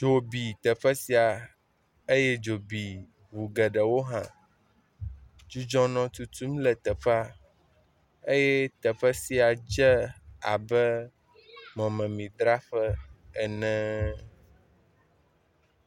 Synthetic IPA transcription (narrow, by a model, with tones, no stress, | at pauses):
d͡ʒo˨bi˨t̪ɛ˨ɸə˦si˦a˨ | e˦je˦d͡ʒo˨bi˨ | vu˨ɡɛ˨ɖə˨wo˦ɦã˨ | d͡ʒu˦d͡ʒɔ̃˦nɔ̃˦t̪u˦t̪u˦mlɛ˨t̪ɛ˨ɸa˦ | e˦jɛ˦t̪ɛ˨ɸə˦si˦a˨d͡ʒɛ˦a̰˨bɛ˦ | mɔ̃˨mɛ̃˨mĩ˨d̪ɾa˦ɸɛ˦ɛ˨nɛ̃˦